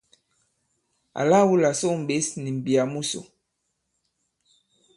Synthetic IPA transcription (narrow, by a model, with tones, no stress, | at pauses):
a̰˨la˦wu˦la˨so˦˨m̩˨ɓe˨˦sni˨m˨bi˨a˨mu˦so̰˨